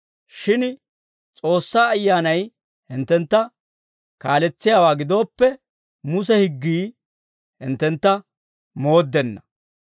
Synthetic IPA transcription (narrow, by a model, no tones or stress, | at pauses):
ʃɪn | t͡sʼo̞ːsːaːɐjːaːnɐj | hɪnt̪ːɛnt̪ːɐ | kaːlɛt͡sːɪjaːwaːɡɪd̪o̞ːpːɛ | mʊs̬ɛhɪɡːiː | hɪ̰nt̪ːɛnt̪ːɐ | mo̞ːd̪ːɛnːɐ